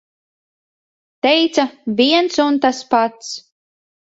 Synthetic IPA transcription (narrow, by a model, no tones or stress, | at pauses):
t̪ɛjt̪savʲiɛnsunt̪aspat̪s